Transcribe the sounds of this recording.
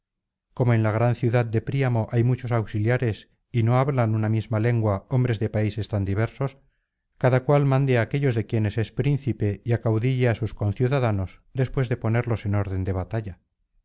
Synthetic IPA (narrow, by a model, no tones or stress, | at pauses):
ko̞mo̞e̞nlaɣ̞ɾanθjuðað̚d̪e̞pɾiamo̞ʔajmut͡ʃo̞sawksiljaɾe̞s | ino̞aβlanunamizmale̞ŋɡwao̞mbɾe̞zðe̞paise̞st̪and̪iβ̞e̞ɾso̞s | kaðakwalmãnd̪eake̞ʎo̞zðe̞kje̞ne̞se̞spɾinθipe̞iakawðiʎeasusko̞nθjuðaðano̞sd̪e̞spwe̞zðe̞po̞ne̞ɾlo̞se̞no̞ɾðe̞nd̪e̞β̞at̪aʎa